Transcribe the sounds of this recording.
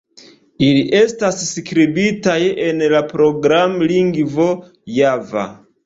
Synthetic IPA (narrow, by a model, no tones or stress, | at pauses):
iliʔe̞stasskɾibitajenlapɾo̞ɡɾamliŋɡvo̞ | java̰